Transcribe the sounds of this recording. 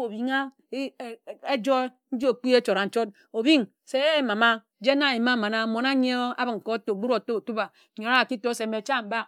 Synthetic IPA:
o˨bi˨ŋa˦˨ | e˦d͡ʒo˦e˦ | n̩˦d͡ʒo˨k͡pi˦e˦t͡ʃo˨ɾa˨n̩˦t͡ʃo˦t̚ | o˨bi˦ŋ | se˨e˦ma˨ma˦ | d͡ʒe˦na˦˨i˨ma˦ma˨na˦mo˨na˦ɲ˦e˦o˦a̰˦bɨ˨ŋ̩˨ko˦˨to˨ɡ͡bu˦ɾo˨to˦˨tu˦ba˨ | ɲo˨˦a˦a˨ki˦to˦se˨me˨t͡ʃa˦˨m̩˨ba˦˨k̚

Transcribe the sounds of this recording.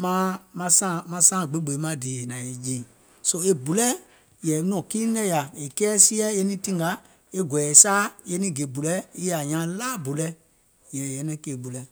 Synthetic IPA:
mã˦mã˧sã˦˨mã˧sãː˦˨ɡ͡be˨˦ɡ͡be˨˦mã˦˨deː˨nã˨e˨d͡ʒĩː˨ | so˦e˦bu˨lɛ˦ | jɛː˨nɔ̃˨ki˦lɛ̃˦ja˨e˨kɛː˦si˦ɛ˦e˧nĩ˦tĩ˦ŋɡa˨˦ | e˦ɡwɛ˨ɛ˨saː˦je˧nĩ˦˨ɡe˨bu˨lɛ˦i˦ja˨ɲã˨˦laː˦bu˨lɛ˦ | jɛː˨jɛ˨˦nɛ̃˦ke˨bu˨lɛ˨

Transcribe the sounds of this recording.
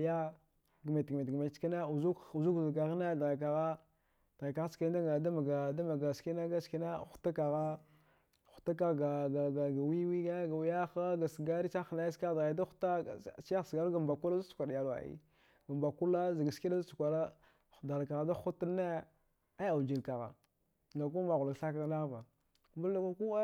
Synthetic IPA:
ja˦ | ɡme˨tɡme˨tɡme˨˦t͡ʃki˦ne˦u˨zu˦ku˨zu˦kza˨ka˨ɣne˦˨dɣa˨k̬a˨ɣa˦ | d̥ɣa˨ka˨ɣa˦ska˦da˦a˨da˦ma˨ɡa˨da˦ma˨ɡa˨ski˦na˦ɡa˦ski˦ne˦˨xu̥˦ta˦ka˨ɣa˦ | xu̥˨ta˦k̬a˦˨ɣɡa˨ɡa˨ɡa˨ɡa˨wi˦wi˦ɡa˦ɡa˨wja˦xa˦ɡa˨sɡa˦ɾi˦t͡ʃa˦xna˦ska˦dɣa˨˦da˦xu̥˦ta˦˨si˦a˦˨sɡa˦ɾɡa˨mba˨ku˦la˦a˦su̥˨a˨ɗja˨la̰˨ḭ˦ | ɡa˨mba˨ku˦la˦za˨ɡa˨ski˦na˦za˦su˨kʷa˨la˦˨ | da˨lka˨ɣa˨da˦xu˦tne˦ | a˦a˨d͡ʒi˨lka˨ɣa̰˨ | ɡa˨ku˦ma˨ɣu˨la˨ɡɬa˦k̬a˦ɣna˦va˨ | mbu˦a˦ka˦ku˦

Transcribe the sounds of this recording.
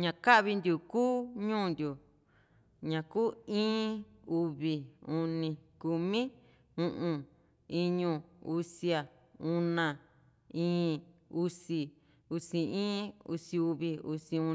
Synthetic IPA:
ɲã˨ka˦ʔβi˧nd̪u˨kuː˦ɲũː˦˨nd̪ʲu˨ | ɲã˨kuː˦ĩː˦u˧βi˨u˧nĩ˧ku˧mĩ˦ | ũ˧ʔũ˧ | i˧ɲũ˧u˧si˧a˨ | ũ˧nã˧˨ | ĩː˦u˧si˧ | u˧si˧ĩː˦ṵ˧si˧u˧βi˧ṵ˧sĩ˧ũ˧

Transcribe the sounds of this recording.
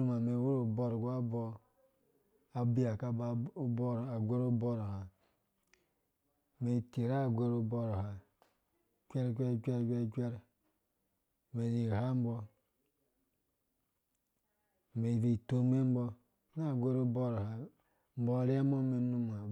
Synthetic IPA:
u˦ma˨me˨˦wu˦ɾo˨bo˨ɾɡa˦bɔ˦ | a˨bi˦ja˨ka˦ba˨˦bɾa˨ɡʷe˦ɾo˦bo˦ɾha˨ | me˨te˨ɾa˦˨ɡʷe˦ɾo˨bo˦ɾha˨ | kʷe˦ɾkʷe˦ɾkʷe˦ɾkʷe˦˨kʷe˦ɾ | me˨zi˨ha˦m˦bɔ˦˨ | me˨vi˨to˦me˦m˦bɔ˦ | na˦˨ɡʷe˦ɾo˦bo˦ɾha˨ | m̩˦bo˦˨ɾe˦a˦mo˦me˨nu˦m˨a˨

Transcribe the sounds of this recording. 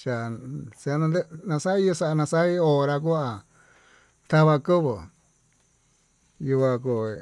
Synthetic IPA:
ʃa˨sa˧nã˧d̪e˦nã˧sa˦i˦jo˧sa˧nã˧sa˦i˦o˧˨˧ɾa˧k̬u˦a˨ | t̪a˦βa˧kɨ˦βo˨ | ju˧a˧ko˨

